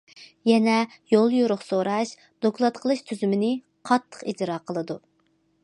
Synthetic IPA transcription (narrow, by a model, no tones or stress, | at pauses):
jɛnɛ | jolˠjuɾʊχsoɾɑʃ | d̪̥oklˠɑt̪qʰəlˠɨʃt̪ʰyzymɪnɪ | qʰɑt̪ʰːə̥qid͡ʒɾɑːqʰəlˠɨd̪u